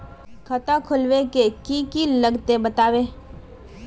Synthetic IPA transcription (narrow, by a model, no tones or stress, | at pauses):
kʰət̪akʰʊlwekekikiləɡt̪ebət̪aːʋeː